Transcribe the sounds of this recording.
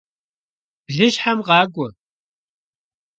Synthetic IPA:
b̥ɮɨɕħamʁɑːɡʷʼɔ

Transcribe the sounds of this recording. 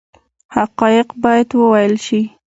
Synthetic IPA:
haqɑjɪqbɑjad̪wəwajəlʃi

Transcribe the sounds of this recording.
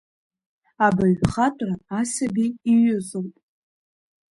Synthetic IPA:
abaɥχatʷʼraːsabʲiiɥʊzowpʼ

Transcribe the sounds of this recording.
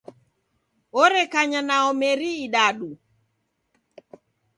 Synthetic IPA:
oɾɛkaɲanaɔmeɾiːɗaɗu

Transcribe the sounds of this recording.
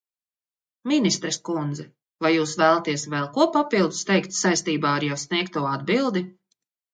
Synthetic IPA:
minist̪ɾɛskund̪zɛ | vajːuːsvæːlˠat̪iɛsvɛlˠkuɔpapilˠd̪u̥st̪ɛjkt̪sajst̪iːbaːaɾjawsniɛk̚t̪ːuɔad̪bilˠd̪i

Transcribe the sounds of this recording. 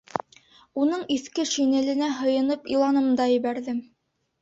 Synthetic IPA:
unɤɴiθkɘʃinɘ̆lɘ̆næɦɤ̆jɤ̆nɤpilˠɑnɤ̆md̪ɑjɘ̆βæɾðɘm

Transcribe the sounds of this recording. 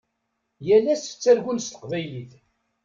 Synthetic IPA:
jælːæsə̥t͡sːæɾʝunst̪ə̥qvæjliθ

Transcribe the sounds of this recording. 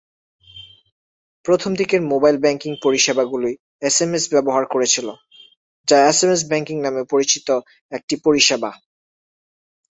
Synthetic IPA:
pɾot̪ʰomd̪ʱikeɾmobajlbɛŋkiŋpoɾiʃebaɡuloj | esemesbɛboɦaɾkoɾet͡ɕʰilo | d͡ʑaesemes̬bɛŋkiŋnamepoɾit͡ɕit̪o | ek̚ʈipoɾiʃeba

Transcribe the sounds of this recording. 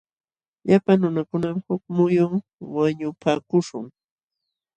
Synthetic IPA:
ʎapaŋnʊnakʊnamhʊkmʊjʊŋ | waɲʊpaːkʊʃʊ̰ŋ

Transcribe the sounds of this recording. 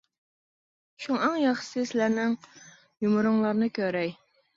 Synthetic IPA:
ʃuŋæŋjɑχʃsɨsɪlæɾnɪŋ | jumɾʊŋlˠɑɾnɨkʲʰøɾɛj

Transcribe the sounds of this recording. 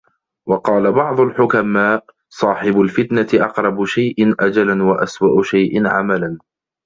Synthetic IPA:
wɑqɑːlabɑʕd̪ˤʊlħʊkamaːʔ | sˤɑːħɪbʊlfɪt̪naɪʔɑqɾˤɑbʊʃajʔɪnʔad͡ʒalanwaʔaswaʔʊʃajʔɪnʕa̰malan

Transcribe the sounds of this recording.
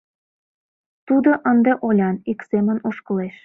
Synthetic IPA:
t̪ud̪oʔənd̪eʔolʲɑniksemə̆noʃkə̆leʃ

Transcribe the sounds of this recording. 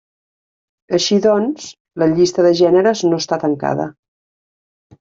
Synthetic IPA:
əʃiðɔnz | ləʎist̪əðəʒɛnəɾəznoəst̪at̪əŋka̰ðə̰

